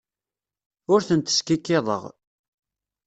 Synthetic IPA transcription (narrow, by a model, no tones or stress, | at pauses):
ʊɾθənt̪ə̥skikːɪðˤə̰ʁ